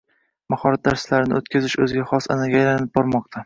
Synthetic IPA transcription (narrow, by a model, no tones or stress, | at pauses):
mahɒɾat̪̚d̪aɾslaɾɪnɪ̰ot̪kʲʰazɪʃɵzɪɡʲaχɒsa̰naɡʲaːjlanɪp̚bɒɾmɒq̚t̪ʰa